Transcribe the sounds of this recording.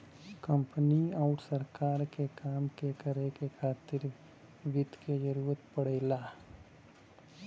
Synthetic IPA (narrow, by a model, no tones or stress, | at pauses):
kə̃mpniaʊɾsəɾkaːɾkekaːmkekəɾekekʰaːt̪ɪɾ | ʋɪd̪ʱked͡ʒəɾuːɾət̪pəɽeːlaː